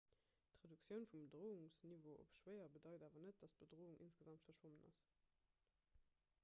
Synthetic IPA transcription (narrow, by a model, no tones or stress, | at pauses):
tʁeduksjəʊnfumbədʁoːuŋsnivoːo̰pʃwɜɪɐbədɑɪdaːvɐnət̚d̥ɑst̚b̥ədʁoːuŋʔinsɡ̥əzɑmtfɐʃwomənɑ̰s